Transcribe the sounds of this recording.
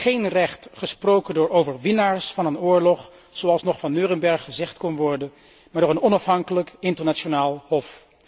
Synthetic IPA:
χejnrɛχtχəsprowkəndʊːɹowvəɹʋɪnaːɹsfɑnənʊːɹlɔχ | z̥oɑlˠsnɔχfɑnːøːrənbɛɹχːəzɛχtkɔnʋɔɹdən | maːɹdʊːɹənɔnɑfɦɑŋkələkɪntəɹnat͡ʃonaːlˠɦɔf

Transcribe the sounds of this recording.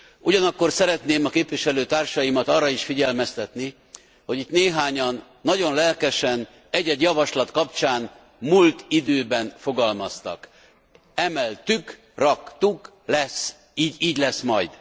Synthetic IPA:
uɟɒnɒkːo̞rsɛɾɛt̪neːmɒkeːpʋiʃɛløːt̪aːrʃɒjimɒt̪ɒːrːɒiʃfiɟɛlmɛst̪ɛt̪ni | ho̞ɟit̪neːɦaːɲɒnːɒɟo̞nlɛlkɛʃɛn | ɛɟɛɟjɒvɒʃlɒt̪kɒpt͡ʃaːn | mult̪id̪øːbɛnfo̞ɡɒlmɒst̪ɒ̰k | ɛmɛlt̪yk | rɒkt̪uk | lɛs | iːɟiːɟlɛsmɒjd̪̥

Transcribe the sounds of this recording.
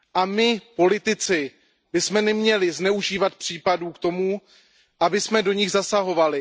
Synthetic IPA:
ʔamɪpo̞lɪt̪ɪt͡sɪ | bɪsmɛnɛmɲɛlɪznɛuʒiːvat̪̚pr̝̥iːpaduːkt̪o̞mu | ʔabɪsmɛdo̞ɲɪɣzasaɦo̞valɪ

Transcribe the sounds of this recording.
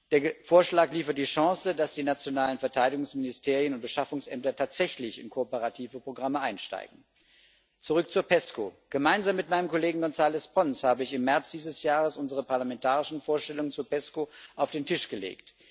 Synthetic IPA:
d̥eːɐfoːɐʃlaːkliːfɐt̚d̥iːʃɑ̃ŋsədasd̥iːnat͡sjonaːlənfɛɐtʰaɪdɪɡʊŋsmɪnɪstʰeːʁiənʊnt̚b̥əʃafʊŋsʔɛ̰mtɐtʰaːtz̥ɛçlɪçɪ̰nkʰoopəʁatʰiːvəpʁ̥oɡʁaməʔaɪnʃta̰ɪɡŋ̩ | t͡suʁʏk̚t͡suɐpɛskoɡ̥əmaɪnzaːmːɪtmaɪnəmkʰoleːɡŋ̩ɡɔnzaːlɛspʁɔnshaːbəɪçɪmːɛɐt͡sd̥iːzəsjaːʁ̞əsʔʊnzəʁəpaɐlamɛntʰaːʁɪʃn̩foːɐʃtɛlʊŋənt͡suɐpɛskoʔaʊfd̥eːntʰɪʃɡ̥əlḛːkt

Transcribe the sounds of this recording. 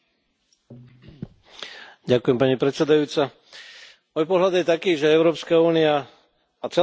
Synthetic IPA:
ɟakujɛmpaɲipɾɛsɛd̪ajuːt͡sa | mɔjpɔɦlad̪jɛt̪akiːʒɛɛʊɾɔːpskauːnia | at͡sɛ

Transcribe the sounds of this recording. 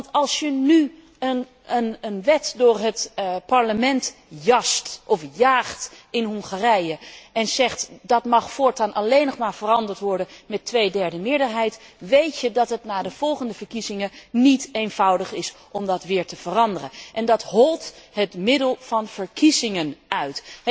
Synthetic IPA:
ɑntɑlˠsjəny | ən | ənənʋɛtdʊːɹɦətpɑɹləmɛnt | jɑstʔɔfjaːχtɪnɦɔŋχaːrɛjəɛnzɛχtdɑtmɑχfʊːɹtaːnʔɑlejnɔχmaːɹv̥ərɑndəɹtʋɔɹdənmɛtʋejdɛɹdəmɪːɹdəɹɦɛjtʋejtjədɑtɦətnaːdəv̥ɔlˠχəndəv̥əɹkizɪŋənitejnv̥ʌwdəχɪs | ɔmdɑtʋɪːɹtəv̥ərɑndərənʔɛndɑtɦɔlˠtɦətmɪdəlˠv̥ɑnv̥əɹkizɪŋənœɥtɛ

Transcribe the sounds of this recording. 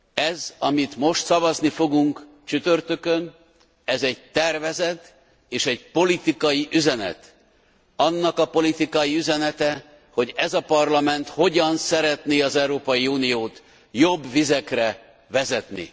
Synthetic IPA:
ɛzɒmit̪mo̞ʃt̪sɒvɒznifo̞ɡuŋk | t͡ʃyt̪ø̞rt̪ø̞køn | ɛzɛɟ̚t̪ɛrvɛzɛt̪ | eːʃɛɟpo̞lit̪ikɒjiʔyzɛnɛ̰t̪ | ɒnːɒkɒpo̞lit̪ikɒjiyzɛnɛt̪ɛ | ho̞ɟɛzɒpɒrlɒmɛnt̪ho̞ɟɒnsɛɾɛt̪neːɒzɛuɾoːpɒjiuːnijoːt̪ | jo̞bːvizɛkrɛ | vɛzɛt̪nḭ

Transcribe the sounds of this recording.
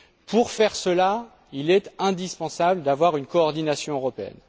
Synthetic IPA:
puʁfɛʁsəla | ilɛt̪ɛ̃d̪ispɑ̃sabld̪avwaʁynkɔːʁd̪inasjɔ̃øʁɔpeɛ̰n

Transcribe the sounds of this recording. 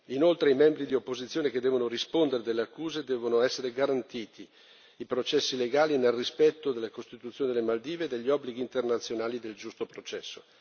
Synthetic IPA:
inolt̪ɾeimɛmbɾid̪iopːozit̪sːjoːneked̪ːɛːvonoɾispond̪eɾed̪elːeakːuːzed̪ɛːvonoɛsːeɾeɡaɾant̪iːt̪i | ipɾot͡ʃɛsːileɡaːlinelrispɛt̪ːod̪elːakost̪it̪ut̪sjoːned̪elemald̪iːveːd̪eʎːiɔbːliɡiːnt̪ernat̪sːjonaːlid̪eld͡ʒust̪opɾot͡ʃɛsːo

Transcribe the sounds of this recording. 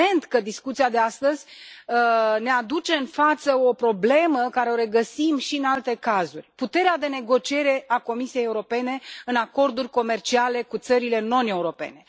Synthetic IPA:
e̞nt̪kəd̪iskut̪siad̪east̪əzʲ | əne̞ad̪ut͡ʃe̞ɨnfat̪səo̞pɾo̞ble̞məkaɾe̞o̞ɾe̞ɡəsimʃiɨnalt̪e̞kazurʲput̪e̞ɾead̪e̞ne̞ɡo̞t͡ʃie̞ɾe̞ako̞misie̞jeuɾo̞pe̞ne̞ɨnako̞rd̪urʲko̞me̞rt͡ʃiale̞kut̪səɾile̞no̞ne̞uɾo̞pe̞̰ne̞

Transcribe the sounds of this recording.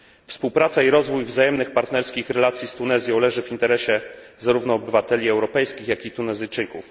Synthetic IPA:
fspuwpɾat̪saiɾɔzvujvzajɛmnɘxpaɾt̪nɛɾskʲixɾɛlat̪sʲjist̪unɛzʲjɔ̃w̃lɛʐɘvint̪ɛɾɛɕɛzaɾuvnɔːbɘvat̪ɛlʲiɛwɾɔpɛjskʲixjakʲit̪unɛzɘjt͡ʂɘkuf

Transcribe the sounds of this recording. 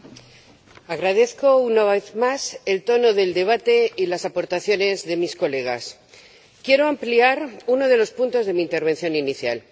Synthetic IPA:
aɣ̞ɾaðe̞θko̞unaβeθmase̞lt̪o̞no̞ðe̞ld̪e̞β̞at̪e̞ilasapo̞ɾt̪aθjo̞ne̞zðe̞misko̞le̞ɣ̞a̰s | kje̞ɾo̞ampliaɾuno̞ð̞e̞lo̞spunt̪o̞zðe̞miːnt̪e̞ɾβe̞nθjo̞niniθja̰l

